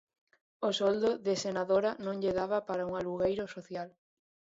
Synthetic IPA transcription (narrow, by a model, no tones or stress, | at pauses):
osɔld̪oðesenaðoɾanõŋʎeðaβapaɾauŋaluɣejɾʊsoθjal